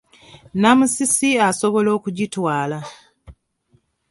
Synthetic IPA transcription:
namusisiaso̞βo̞lo̞ːkuɟitwaːla

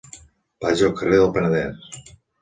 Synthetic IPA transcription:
paʒokəreðəlˠpənəðɛs

